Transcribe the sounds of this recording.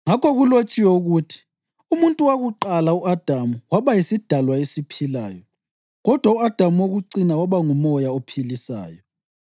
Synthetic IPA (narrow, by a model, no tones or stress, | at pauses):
ŋakɔɣulot͡ʃʼiwɛuɣutʰi̥ | umuntʼuwaɣuǃalauad̥ʱamuwaβajisid̥ʱalwaesipʰila̰ːjɔ | ɣɔd̥ʱwauad̥ʱamuwoɣuǀinawaβaŋumɔjaopʰilisa̰ːjɔ